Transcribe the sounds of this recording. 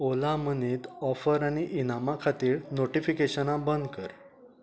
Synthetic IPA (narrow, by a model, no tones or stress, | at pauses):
olaməniːt̪ɔfəɾaɽ̃iʔinamakʰat̪iːɾnoʈifikeɕənãbənd̪kəɾ